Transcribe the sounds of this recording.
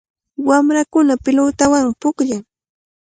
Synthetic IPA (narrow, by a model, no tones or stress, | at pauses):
wamɾakʊnapɪlʊt̪awaŋpʊkʎaŋ